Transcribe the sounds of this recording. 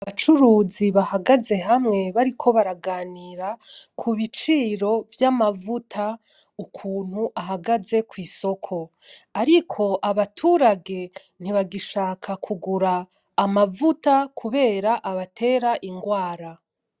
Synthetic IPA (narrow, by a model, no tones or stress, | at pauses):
aβat͡ʃuɾuːziβahaɡaze̞ɦamŋe̞βaɾikʰo̞βaɾaɡaːniɾakʰuβit͡ʃiːɾo̞vjamavutʰa | ukʰuːn̥huʔaɦaɡaze̞kwiːso̞kʰo̞ | aɾikʰo̞ʔaβatʰuːɾaɡe̞ | n̥iβaɡiʃaːkʰakʰuɡuɾaː | mavutakʰuβe̞ːɾaʔaβatʰe̞ːɾaʔiŋɡwaːɾa